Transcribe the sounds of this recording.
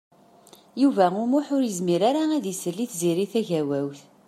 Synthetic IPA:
juvæʊmʊħʊɾjəzmiɾaɾaæðisəlːiθziɾiθæʝæwæwθ

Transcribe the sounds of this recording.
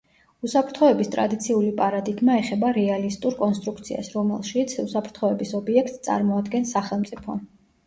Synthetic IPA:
usapʰɾt̪ʰχɔɛbist̪ʼɾa̰d̪it̪sʰiulipʼaɾad̪iɡmaɛχɛbaɾɛalist̪ʼuɾkʼɔnst̪ʼɾuk̚ʰt̪sʰia̰sɾɔmɛ̰lˠʃit̪sʰusapʰɾt̪ʰχɔɛbisɔbiɛkʰt̪st̪sʼa̰ɾmɔad̪ɡɛnsaχɛlˠmt̪sʼipʰɔ̰

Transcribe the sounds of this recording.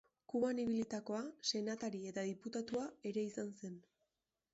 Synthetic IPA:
kuβaniβ̞ilit̪ako̞ase̞nat̪aɾie̞t̪aðiput̪at̪uae̞ɾe̞isanse̞n

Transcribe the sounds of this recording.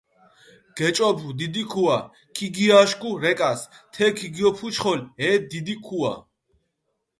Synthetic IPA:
ɡ̥ɛt͡ʃʼɔbʰud̪id̪ikʰua | kʰiɡiaʃkuɾɛkʼast̪ʰɛkʰiɡiɔpʰut͡ʃʰχɔlɛːd̪id̪ikʰua̰

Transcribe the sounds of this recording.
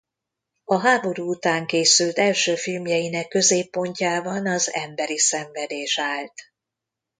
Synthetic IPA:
ɒɦaːbo̞ɾuːut̪aːŋkeːsylt̪ɛlʃøːfilmjɛjinɛkːø̞zeːpːo̞ɲcaːbɒnɒzɛ̰mbɛɾisɛɱvɛd̪eːʃaːlt̪

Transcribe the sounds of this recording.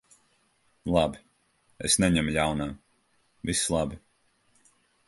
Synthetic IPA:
lˠabi | esnɛɲɛmjawnaː | vislˠabi

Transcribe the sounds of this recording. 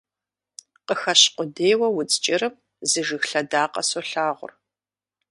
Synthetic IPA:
qəxɐɕqʷʊdeːwɐwʊt͡sʼt͡ʃʼɪrɨm | zɨʒɨxɬɐdaːqʼɐ̰soɬaːʁʷʊ̰r

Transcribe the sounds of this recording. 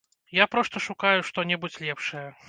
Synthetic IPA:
japɾɔst̪ɐʂukajʊʂt̪ɔnʲɛbut͡sʲlʲɛpʂɐjɐ

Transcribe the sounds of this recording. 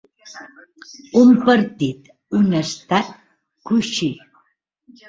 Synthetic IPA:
umpəɾt̪it̪ | unəst̪at̪̚ | kuʃi

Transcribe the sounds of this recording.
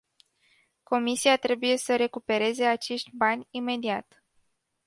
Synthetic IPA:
ko̞misiat̪ɾe̞buje̞səɾe̞kupe̞ɾe̞ze̞at͡ʃe̞ʃt̪ʲbanʲime̞d̪iat̪

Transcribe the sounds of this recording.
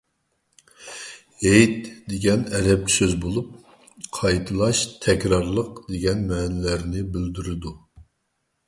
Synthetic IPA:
ejt̪d̪eɡʲɛnɛɾɛp̚ʲsøzbolˠup̚ | qʰɑjt̪ʰɨlˠɑʃt̪ʰɛkʲɾɑɾlˠəqd̪eɡʲɛnmɛːnɪlæɾnɪbɪld̪yɾɪd̪u

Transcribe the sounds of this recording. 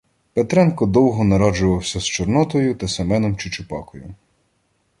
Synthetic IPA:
pet̪ɾɛnkɔd̪ɔwɦɔnɐɾɔd͡ʒʊʋɐwsʲɐst͡ʃɔrnɔt̪ɔjʊt̪ɐsemɛnɔmt͡ʃɪt͡ʃʊpɑ̰kɔjʊ̰

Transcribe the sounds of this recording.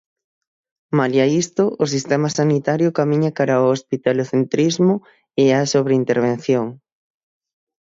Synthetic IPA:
maljaist̪ʊʔʊsist̪ɛmɐsanit̪aɾjʊkamiɲakaɾaoospit̪aloθent̪ɾizmʊ | easoβɾeint̪eɾβ̞en̟θjoŋ

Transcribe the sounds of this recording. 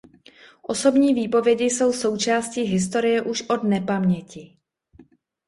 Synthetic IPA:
ʔo̞so̞bɲiːviːpo̞vjɛɟɪso̞wso̞wt͡ʃaːsciːɦɪst̪o̞ɾɪjɛʔuʃʔo̞dnɛpamɲɛcɪ

